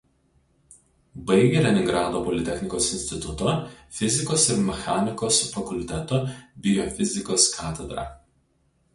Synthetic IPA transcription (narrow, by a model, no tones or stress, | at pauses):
bɐɪɡʲeɾʲɛnʲɪŋɡɾɑːd̪oːpɔlʲɪt̪ʲɛxʲnʲɪkoːsɪnʲsʲt̪ʲɪt̪ʊt̪oːfʲɪzʲɪkoːsɪɾmʲɛxaːnʲɪkoːsfɐkʊlʲt̪ʲɛt̪oːbʲɪjofʲɪzʲɪkoːskʰɑːt̪ʲɛd̪ɾɑ̰ː